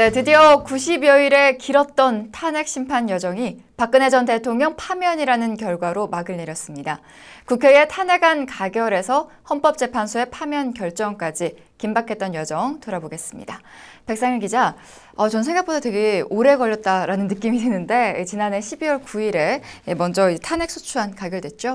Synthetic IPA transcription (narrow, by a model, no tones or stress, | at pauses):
ne̞tɯdiʌkuɕʰibjʌiɾe̞kiɾʌt̚t͈ʌntʰane̞k̚ɕ͈ʰimpʰanjʌd͡ʑʌŋi | pak͈ɯne̞d͡ʑʌnte̞tʰoŋɲʌŋpʰamjʌɲiɾanɯnkjʌɭɡwaɾomaɡɯɭneɾjʌs͈ɯmɲida | kukʰee̞tʰane̞ɡankaɡjʌɾe̞sʰʌhʌnp͈ʌp̚t͡ɕ͈e̞pʰansʰoe̞pʰamjʌnkjʌɭt͡ɕ͈ʌŋk͈ad͡ʑi | kimbakʰe̞t̚t͈ʌnjʌd͡ʑʌŋtoɾaboɡe̞s͈ɯmɲḭda | pe̞k̚s͈aŋiɭkid͡ʑa | ʌt͡ɕʌnsʰe̞ŋɡak̚p͈odatwe̞ɡe̞oɾe̞ɡʌʎːʌt̚t͈aɾanɯnːɯk͈imidwenɯnde̞it͡ɕinane̞ɕʰibiwʌɭkuiɾe̞emʌnd͡ʑʌitʰane̞k̚sʰut͡ɕʰuɦankaɡjʌɭdwet̚t͡ɕ͈o